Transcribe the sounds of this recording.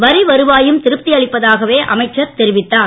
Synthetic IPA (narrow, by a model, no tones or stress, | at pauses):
ʋɐɾɪʋɐɾɯʋaːjɯmt̪ɪɾɯp̚t̪ːɪɐɭɪpːɐðaːɣɐʋeːʔʔɐ̰mɐɪʈt͡ʃːɐɾt̪ɛɾɪʋɪt̪ːaː